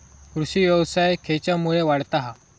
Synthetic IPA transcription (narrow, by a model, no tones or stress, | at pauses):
kɾuɕiːʋjəʋsajkʰet͡ɕjamuɭeʋaɽt̪aɦa